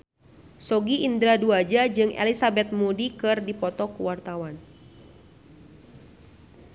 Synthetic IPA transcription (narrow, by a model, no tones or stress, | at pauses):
sɔɡiind̪ɾaduad͡ʒad͡ʒɨŋʔɛ̰lisabɛt̪̚mudikɨrdipɔt̪ɔkuwart̪awan